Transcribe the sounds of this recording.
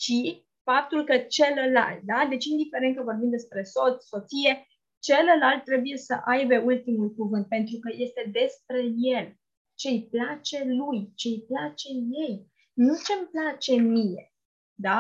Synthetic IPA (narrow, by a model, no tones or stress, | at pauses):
t͡ʃi | fap̚t̪ulkət͡ʃe̞ləla̰lt̪̚d̪ad̪e̞t͡ʃind̪ife̞ɾent̪kəvo̞rbinmd̪e̞spɾe̞so̞t̪sʲso̞t̪sije̞ | t͡ʃe̞ləlalt̪̚ːɾe̞buje̞sə̰ʔajbe̞ult̪imulkuvɨnt̪̚pe̞nt̪ɾukəje̞st̪e̞d̪e̞spɾe̞je̞l | t͡ʃe̞jplat͡ʃe̞lujt͡ʃe̞jplat͡ʃe̞je̞j | nut͡ʃe̞mplat͡ʃe̞mijḛ | d̪a